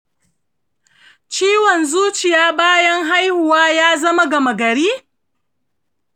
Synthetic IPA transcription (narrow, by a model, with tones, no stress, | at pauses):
t͡ʃiː˦wɔ˨nzuː˦t͡ʃɪ˨jaː˦baː˦jɐ˦ŋɦa˦jhʊ˨waː˦jaː˦zɐ˦ma˦ɡɐ˨mɐ˨ɡɐ˨ɾiː˦